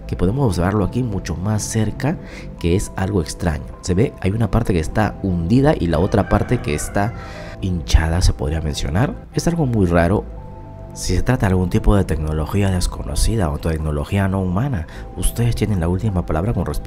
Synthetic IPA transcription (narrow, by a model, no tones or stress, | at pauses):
ke̞poðemo̞so̞βs̬eɾβaɾlo̞akimut͡ʃo̞masːe̞ɾka | ke̞esalɣo̞e̞kst̪ɾa̰ɲo̞se̞βe̞a̰junapaɾt̪e̞kest̪aund̪iðaʔilao̞t̪ɾapaɾt̪e̞ke̞ːst̪a | int͡ʃað̞ase̞po̞ð̞ɾiamẽ̞nsjo̞̰naɾ | e̞salɣo̞mujraɾo̞ | sise̞t̪ɾat̪aðalɣunt̪ipo̞ðe̞t̪e̞kno̞lo̞xiaðe̞sko̞no̞̰siðaont̪ut̪ekno̞lo̞xiano̞umana | ust̪e̞ðe̞st̪je̞ne̞nlault̪imapalaβɾako̞nres